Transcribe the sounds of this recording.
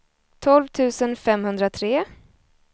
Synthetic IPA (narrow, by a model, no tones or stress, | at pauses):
t̪ʰɔlvt̪ʰʉ̟ːsənfɛmhɵnd̪ɾat̪ʰɾeː